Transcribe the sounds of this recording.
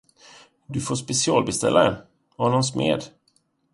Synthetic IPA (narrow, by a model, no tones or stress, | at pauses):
d̪ɵfoːspɛsɪɑːlbɛst̪ɛ̰lʔaɛ̰n | ɔnɔmsmḛːd̪